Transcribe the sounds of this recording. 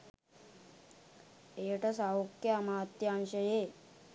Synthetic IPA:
eʈəsaʋokːjamat̪janɕəje

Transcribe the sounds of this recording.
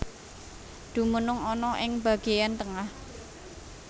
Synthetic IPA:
d̪̥ṳmənʊŋɔnɔʔɪŋb̥ä̤ɡ̥e̤jant̪əŋah

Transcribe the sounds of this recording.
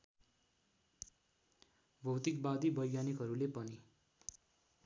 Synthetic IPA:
bʱʌwt̪ikbad̪ibʌjjanikɦʌɾulepʌni

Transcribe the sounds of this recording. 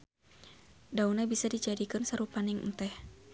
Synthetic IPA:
daunabisadid͡ʒadikɨnsəɾupanɪŋnt̪ɛh

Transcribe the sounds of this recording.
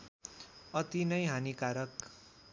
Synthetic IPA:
ʌt̪inʌjɦanikaɾʌk

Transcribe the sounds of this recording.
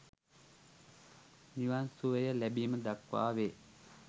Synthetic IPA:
njuansuʋəjəlæbiːməd̪akʋa̰ːʋeː

